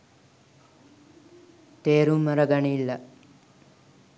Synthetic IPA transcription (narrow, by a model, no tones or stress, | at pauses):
t̪eːɾumːɐɾɐɡɐnilːɐ